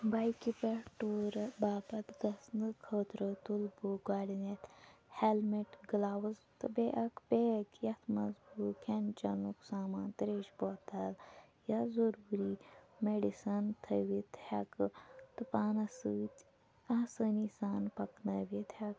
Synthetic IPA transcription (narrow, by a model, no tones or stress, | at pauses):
bajkipeʈuːɾbaːbɐt̪ɡɐsnɨkʰɐːt̪ɾət̪ulbuɡaːlinet̪helmiʈɡlaːwɐzt̪ɨbeʔɐkbekjɐt̪ʰmɐzbuːkʰent͡ʃɐnuksaːmaːnt̪ɾeːʃboːt̪ɐljɐzɐɾuːɾiːmeɖisɐnt̪ʰəʋit̪ʰhɐ̰kt̪ɨpaːnɐsɨːt̪ | ɐsənisaːnpɐknɐʋit̪hɐk